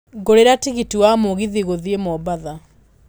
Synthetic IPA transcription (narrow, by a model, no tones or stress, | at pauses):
ɡoɾeɾatiɣitiwamoɣiðiɣoðiemɔbaða